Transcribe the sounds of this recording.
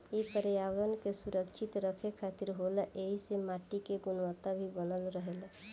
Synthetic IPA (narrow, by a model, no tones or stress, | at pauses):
ipəɾejawɾənkesuɾəkt͡ʃʰit̪ɾəkʰekʰat̪iɾɦolʔeɦisemaʈikeɡunʋət̪abʱibənəlɾəɦel